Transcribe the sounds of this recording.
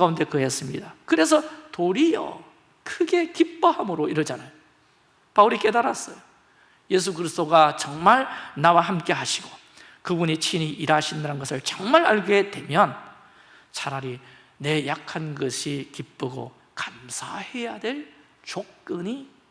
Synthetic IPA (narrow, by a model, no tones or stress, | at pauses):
aunde̞kɯɦes͈ɯmɲidakɯɾe̞s̬ʰʌtoɾijʌ̰ | kʰɯɡe̞kip͈ːʌhamɯɾoiɾʌd͡ʑanajo | pauɾik͈e̞daɾas͈ʌjo | je̞s̬ʰuɡɯɾist͈oɡat͡ɕʌŋmaɭnawaɦamk͈e̞ɦaɕʰiɡo | kɯbunit͡ɕʰiniʔiɾaɕʰindaɾanɡʌsʰɯɭt͡ɕʌŋmaɾaɭɡe̞dwe̞mjʌn | t͡ɕʰaɾaɾi | ne̞jakʰanɡʌɕʰikip͈ɯɡo̰ | kamsʰahe̞jadwe̞ɭ | t͡ɕok̚k͈ɯɲi